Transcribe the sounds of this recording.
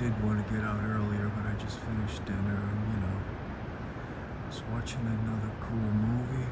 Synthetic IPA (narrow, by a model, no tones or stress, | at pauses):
ɪd̚wɑ̃nɨɡɛɾaʊɾɜ˞lˠiə˞bɨ̃naɪd͡ʒʌstfɪnɨʃd̥ɪ̃nə˞ɨ̃njɨnoʊ | ʌswɑt͡ʃɪ̃ŋɨ̃nʌðə˞kʰulˠmuvi